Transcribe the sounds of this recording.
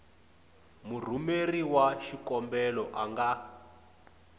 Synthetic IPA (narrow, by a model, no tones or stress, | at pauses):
mur̤umeriwaʃikɔmbɛlɔʔaŋɡa